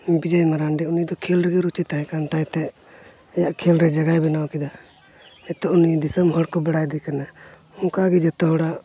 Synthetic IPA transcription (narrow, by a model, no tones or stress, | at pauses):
bid͡ʒajmaɾanɖɛunid̪ɔkʰilɾɛɡɛɾut͡ʃit̪aɦɛ̃kant̪ajt̪ɛ | jaʔkʰilɾɛd͡ʒaɡajbɛnawkɛd̪a | ɛt̪ɔʔunid̪isamɦɔɽkɔbaɽajd̪ɛkana | ɔŋkaɡɛd͡ʒɛt̪ɔɦɔɽa